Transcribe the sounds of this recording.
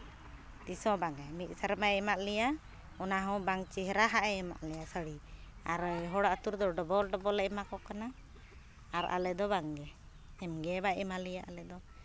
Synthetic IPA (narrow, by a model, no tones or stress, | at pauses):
d̪isɔ̃baŋɛmit̪̚ˀsəɾmaɛmaʔlɛja | ɔnaɦɔ̃baŋt͡ʃiɦɛɾaɦaʔɛɛma̰ʔlɛjasəɽiaɾɦɔɽaʔt̪uɾd̪ɔɖɔbɔlɖɔbɔlɛmakɔkanaː | ɾa̰lɛd̪ɔbaŋɡɛ | ɛmɡɛbaɛmalɛjaʔalɛd̪ɔ